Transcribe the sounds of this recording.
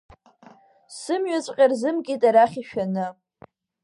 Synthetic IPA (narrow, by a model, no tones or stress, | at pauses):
sɨmɥat͡sʷʼqʲʼarzɨmkʲʼitʼaɾaχʲiʃᶣanɨ